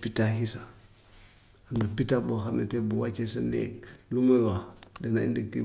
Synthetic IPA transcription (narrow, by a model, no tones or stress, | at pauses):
pitaɦisa | andapitaboxaɾnḛtebuwat͡ʃesənḛlumowadenaḭndikːi